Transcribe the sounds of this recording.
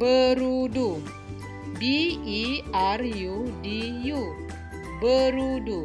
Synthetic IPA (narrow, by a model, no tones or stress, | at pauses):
bəɾudu | biiarjudiju | bəɾudu